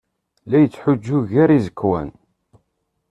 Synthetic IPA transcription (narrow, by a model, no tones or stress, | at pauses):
læjət͡sːħʊd͡ʒːʊʝæɾizəkːwæ̰n